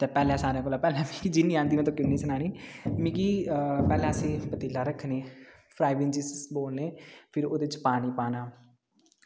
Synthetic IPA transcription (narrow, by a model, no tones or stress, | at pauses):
t̪eːpɛːlɛ̃ːsaːɾãːkoːlaːpɛːlɛ̃ːmĩːkid͡ʒinĩːãːnd̪iːmẽːt̪õːkɪnːiːsənaːɽiːmĩːkiːpɛːlɛ̃ːəsĩːpət̪ɪːlaːɾəkʰneː | pʰɾaːɪbɪnd͡ʒisboːlneːpʰɪɾoːd̪eɪt͡ʃpaːniːpaːnaː